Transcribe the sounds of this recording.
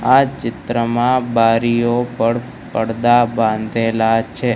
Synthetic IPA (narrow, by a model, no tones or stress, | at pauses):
at͡ʃɪt̪ɾəmãbaɾijopəɽ | pəɽd̪abãnd̪ʱelat͡ʃʰe